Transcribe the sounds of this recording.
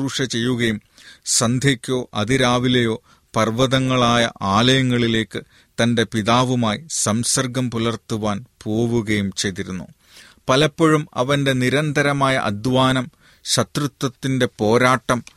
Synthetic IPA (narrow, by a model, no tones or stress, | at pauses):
uːʂɐt͡ɕe̞jːuɣɐjumsɐnd̪ʱjɐkʲːo̞ːʔɐðiɾaːʋilɐjo̞ː | pɐrʋɐðɐŋːɐɭaːjɐ̰ʔaːlɐjɐŋːɐɭile̞ːkːɨ | t̪ɐnde̞piðaːʋumaːjisɐmsɐrɡɐmpulɐrt̪uʋaːnpo̞ːʋuɣɐjumt͡ɕe̞jt̪iɾunːṵ | pɐlɐpːoɻumɐ̰ʋɐnde̞niɾɐnd̪ʱɐɾɐmaːjɐ̰ʔɐ̰d̪ʋaːnɐm | ɕɐt̪rut̪ːwɐt̪ːinde̞po̞ːɾaːʈːɐm